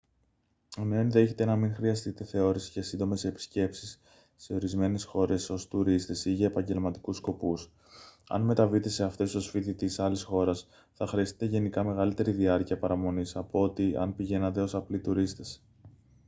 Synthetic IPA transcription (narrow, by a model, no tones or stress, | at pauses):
one̞onðe̞çet̪e̞nɐmiŋxɾiɐst̪it̪e̞θe̞o̞ɾisi̥cɐsind̪o̞me̞se̞pi̥sce̞psi̥sː | e̞o̞ɾizme̞ne̞sxo̞ɾe̞so̞st̪uɾist̪e̞siʝɐepɐɲɟe̞lmɐt̪i̥kusko̞pus | ɐ̰nme̞t̪ɐvit̪e̞se̞ɐft̪e̞st̪o̞sfit̪it̪isɐlisxo̞ɾɐs | θɐxɾiɐst̪i̥t̪e̞ʝe̞nikɐme̞ɣɐlit̪e̞ɾiðiɐɾciɐpɐɾɐmo̞nisɐpoo̞t̪iɐ̰npiʝe̞nɐt̪e̞o̞sɐplit̪uɾist̪e̞s